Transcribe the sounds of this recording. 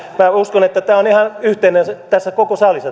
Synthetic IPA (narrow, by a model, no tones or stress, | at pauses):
mæuskonet̪ːæt̪æːonihɑnyht̪einenst̪æsːækokosɑlisːɑ